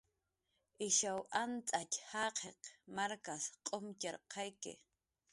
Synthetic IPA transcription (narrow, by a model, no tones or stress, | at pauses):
ʔɪʃawʔant͡sʼachɑqʰeqmaɾkasqʼomt͡ʃaɾqʰɑjkɪ̰